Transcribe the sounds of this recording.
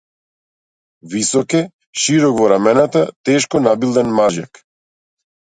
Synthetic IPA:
visɔkɛ | ʃiɾɔkvɔɾamɛnat̪at̪ɛʃkɔnabilˠd̪ɛnmaʒja̰k

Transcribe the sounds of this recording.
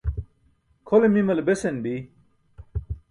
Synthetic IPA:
kʰolemimɐlebesenbi

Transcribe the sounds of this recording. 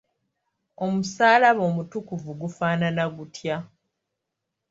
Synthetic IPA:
o̞musaːlaβo̞ːmutukuvuɡufaːnanaɡutʰja

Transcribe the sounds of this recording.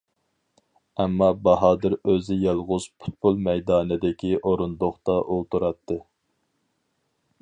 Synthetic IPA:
ɛmːɑbɑɦɑːd̪ɨɾøzɪjɛlˠʁʊz̥pʰʊ̥t̪̚pulˠmɛjd̪ɑːnɪd̪ɪkʲiʔoɾund̪oχt̪ɑʔolˠt̪uɾɑt̪ʰːɨ

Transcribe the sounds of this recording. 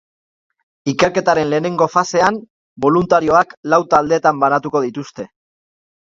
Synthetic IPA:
ike̞ɾke̞t̪aɾe̞nle̞ːne̞ŋɡo̞fase̞am | bo̞lunt̪aɾio̞aklawt̪ald̪e̞ːt̪ambanat̪uko̞ðit̪ust̪e̞

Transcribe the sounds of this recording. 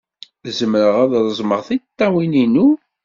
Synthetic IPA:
zəmɾəʁæðɾˤəzˤməʁθit̪ːæwininu

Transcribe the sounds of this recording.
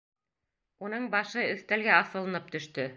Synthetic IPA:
unɤɴbɑʃɤɵ̆θt̪ælɡæɑθɤ̆lˠɤ̆nɤp̚t̪ɵ̆ʃt̪ɵ

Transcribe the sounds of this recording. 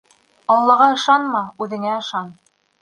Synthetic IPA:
ɑlˠːɑʁɑɤ̆ʃɑnmɑʉðɘ̆ŋæɤ̆ʃɑn

